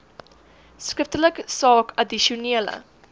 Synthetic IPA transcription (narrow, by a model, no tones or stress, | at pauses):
skəftələkəsɑːkɐdiʃiuniələ̰